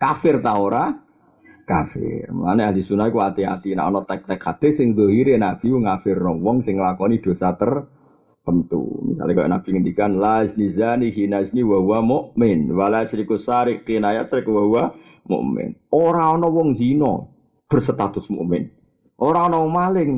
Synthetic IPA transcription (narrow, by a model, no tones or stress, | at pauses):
kafɪrt̪aoɾa | kafɪ̰rma̰nɛadisunakuat̪ia̰t̪ina̰ʔɔnɔt̪ɛk̚t̪ɛkʰhad̪̥esɪŋzoɦiɾenab̥i̤uŋafɪrnɔwɔŋsɪŋːlakɔnid̪̥o̤sat̪ər | pənt̪ṵmḭsa̰lɛka̰jɔ̰nab̥iŋəndikanlaisnizaniɦinaisniwauwamoʔmɪnwalasɾikusaɾɪʔkinajasɾɪkwauwa | mo̰ʔmɪ̰noɾaɔnɔwɔŋzinɔ̰ | b̥ə̤rsət̪at̪ʊsmuʔmɪn | ʔoɾaɔnɔwɔŋmalɪŋ